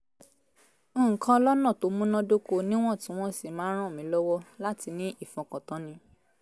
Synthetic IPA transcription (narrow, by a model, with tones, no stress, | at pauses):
õ˦˨ŋ̩˨kã˦lɔ˦nɔ̃˦˨to˨˦mũ˦nã˦do˦ko˦nĩ˦w̃ɔ̃˦˨tĩ˨˦w̃ɔ̃˦si˦˨mãː˨˦ɾ̃ã˦o˨mĩ˨˦lɔ˦wɔ˦la˦ti˧nĩ˦ʔi˦˨fɔ̃˨kɔ̃˨tɔ̃˨˦nĩ˨˧˦